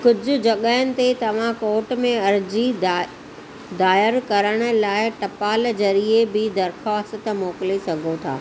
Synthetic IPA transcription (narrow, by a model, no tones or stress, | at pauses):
kʊd͡ʑʱʊ̆d͡ʑɐɠəɦɪnɪ̆t̪et̪ɐʋ̤ãkoːʈmẽɐɾd͡ʑi | d̪aːjəɾkɐɾəɽ̃ʊ̆laːɪʈɐpaːlzɐɾiebɪd̪ɐɾxaːst̪t̪̆moːkɪlesɐɡʱot̪ʰa̰ː